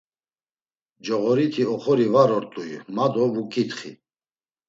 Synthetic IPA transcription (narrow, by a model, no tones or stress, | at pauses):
d͡ʒɔɣɔɾit̪ʰiɔχɔɾivaɾɔɾt̪ʼuimad̪ɔvukʼit̪χḭ